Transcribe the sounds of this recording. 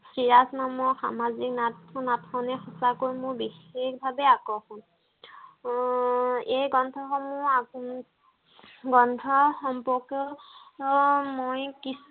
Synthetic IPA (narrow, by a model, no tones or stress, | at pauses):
siɹasnamɔɹxa̰maziknatnatʰkɔnɛxɔsakoɹjmʊɹbixekbʱabɛakɔxʊ̃n | ejɡɔntʰɔxɔmʊa | ɡɔntʰɔxɔmpɔkɔ | mojkis